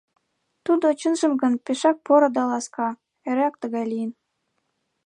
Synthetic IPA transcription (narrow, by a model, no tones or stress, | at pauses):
t̪ud̪ot͡ɕənʒə̆mɡə̆npeʃɑk̚poɾŏd̪ɑlɑskɑ | eɾɑk̚t̪əɣɑjlijən